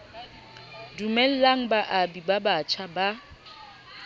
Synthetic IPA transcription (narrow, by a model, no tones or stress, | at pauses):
dumɛl̩laŋ̩baʔabibabat͡ʃʰaba